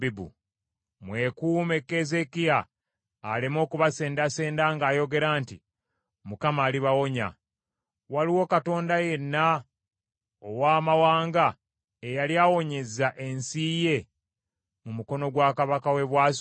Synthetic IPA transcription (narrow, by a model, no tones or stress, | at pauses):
bibṵ | mwe̞kuːme̞kːezekiaː | lemo̞ːkuβase̞ːndase̞ːndaːŋɡaːjo̞ɡe̞ɾaːnti | mukamaːliβawo̞ɲa̰ | waliwo̞kato̞ːndaje̞nːa | owaːmawaːŋɡa | ejaljaːwo̞ɲe̞zaʔe̞nsije̞ | mumuko̞no̞ɡwaːkaβakawe̞βwaːs